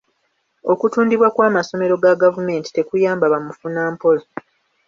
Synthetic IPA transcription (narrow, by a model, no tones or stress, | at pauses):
o̞kutuːndiβwakwaːmaso̞me̞ɾo̞ɡaɡavume̞ːnti̥te̞kujaːmbaβamufunaːmpo̞lo